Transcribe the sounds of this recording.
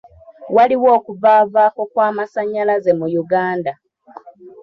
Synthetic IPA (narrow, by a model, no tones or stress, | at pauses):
waliwo̞ːkuvaːvaːko̞kwaːmasaɲːalaze̞mujuɡaːnda